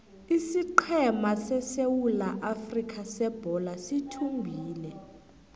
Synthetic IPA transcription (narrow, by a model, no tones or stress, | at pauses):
isiǃʰɛmasɛsewulaʔafrikʰasɛb̥ʱɔlasitʰumbʱiːlɛ